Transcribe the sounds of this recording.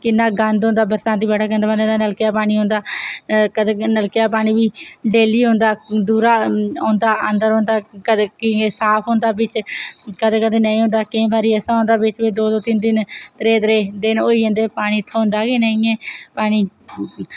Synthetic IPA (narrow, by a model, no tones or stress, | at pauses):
kɪnːaːɡənd̪ɦõːnd̪aːbəɾsãːnt̪iːbɛːʈaːɡənd̪ãnd̪ːd̪aːnəlkejaːpaːɽ̃iːɦõːnd̪aːkəd̪eːnəlkejaːpaːɽ̃iːʋiːɖeːliːɦõːnd̪aːd̪uːɾaːõːnd̪aːənd̪əɾɦõːnd̪aːkəd̪ːkɪsaːpʰɦõːnd̪aːbɪt͡ʃkəd̪eːkəd̪eːnəĩːɦõːnd̪aːkẽːbaːɾiːɛsãːɦõːnd̪aːbɪt͡ʃbeːd̪oːd̪oːt̪ɪnd̪ɪnt̪əɾeːd̪ɾeːd̪ɪnoːiːɦə̃ːnd̪eːpaːɽ̃iːt̪ʰoːʊ̃nd̪aːɡeːnəĩːɛːpaːɽ̃iː